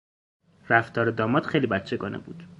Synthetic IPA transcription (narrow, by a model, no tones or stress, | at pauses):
ræft̪ɒːɾed̪ɒːmɒːt̪χejliːbæt̪t͡ʃʰːeɡɒ̰ːnʔḛbṵːd̪̥